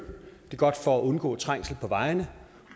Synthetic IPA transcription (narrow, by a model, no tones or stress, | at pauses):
d̥e̝ɡ̥ɒ̽d̥fɒæʔɔ̽nɡ̥ɔ̰̽ːt͡sʰʁaŋ̰sl̩pʰɒ̽ʋɑ̈ɪnə